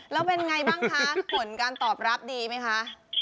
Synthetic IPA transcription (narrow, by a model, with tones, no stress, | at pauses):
lɛː˦˥wpe˧nŋa˧jbaaː˥˩ŋkʰa˦˥pʰo˩˦nkaː˧nt̪ɔː˨˩p̚ɾa˦˥p̚diː˧ma˦˥jkʰa˦˥ʔ